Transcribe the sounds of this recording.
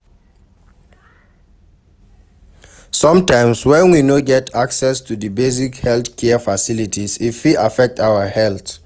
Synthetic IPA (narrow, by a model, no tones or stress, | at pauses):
sɔ̃mtãɪ̃mswɛ̃nwinoɡɛtʰaksɛstʰudəbez̬ikhɛlθkʰɛfasilitʰisifwiafɛk̚taʊəhɛlθ